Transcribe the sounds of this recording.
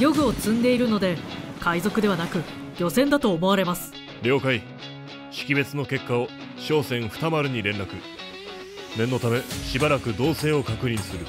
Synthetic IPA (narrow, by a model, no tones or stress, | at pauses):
jo̞ɡɯ̟o̞t͡sɨ̃nd̪e̞iɾɯ̟no̞d̪e̞kaizo̞kɯ̟d̪e̞βanakɯ̟ | jo̞sẽ̞nd̪at̪o̞ːmo̞βaɾe̞masɨ̥ | ɾʲo̞ːkai | ɕi̥kʲibe̞t͡sɨno̞ke̞kːao | ɕo̞ːsẽ̞ɰ̃ɸɯ̥t̪amaɾɯ̟ɲ̟iɾẽ̞nɾakɯ̟ | ne̞nːo̞t̪ame̞ɕibaɾakɯ̟d̪o̞ːse̞ːo̞kakɯ̟ɲ̟ʲĩɰ̃sɨɾɯ̟